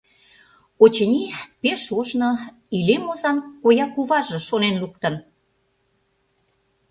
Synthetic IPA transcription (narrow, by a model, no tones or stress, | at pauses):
ot͡ɕənʲipeʃoʒno | ilemozɑnkojɑkuβɑʒĕʃonenluk̚t̪ə̆n